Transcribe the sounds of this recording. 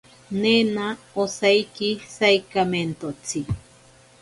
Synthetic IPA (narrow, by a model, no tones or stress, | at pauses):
nena | osajkisajkament̪ot͡sʰi